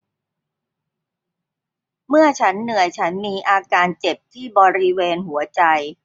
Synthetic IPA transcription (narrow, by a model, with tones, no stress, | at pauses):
mɯ˥˩ɐt͡ɕʰa˦˥nːɯ˨˩əjt͡ɕʰa˦˥nmiː˧ʔaː˧kaː˧nt͡ɕe˨˩p̚t̪ʰiː˥˩bɔː˧ɾi˦˥weː˧nɦu˩˦ɐt͡ɕa˧j